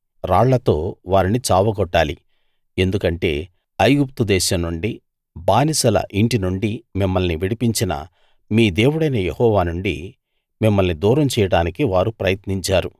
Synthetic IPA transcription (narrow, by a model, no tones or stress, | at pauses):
ɾaːɽlɐt̪o̞̰ːʋaːɾinit͡ʃaːʋɐɡɔʈːaːlḭ | e̞nd̪ukɐɳʈe̞̰ː | ɐjɡup̚t̪ud̪ɛːʃɐmnuɳɖi | baːnisɐlɐ̰ʔiɳʈinuɳɖimimːɐlniʋiɽipiɲt͡ʃinɐ̰ | miːd̪e̞ːwuɽɐjnɐjehɔːʋaːnuɳɖi | mimːɐlnid̪uːɾɐmt͡ʃɛːjɐɽaːnikiʋaːɾupɾɐjɐt̪niɲt͡ʃaːɾu